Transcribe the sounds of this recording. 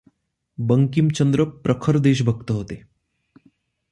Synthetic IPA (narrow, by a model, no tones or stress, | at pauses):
bəŋkimt͡ɕənd̪ɾəpɾəkʰəɾd̪eːʃ̬bʱək̚t̪əɦot̪e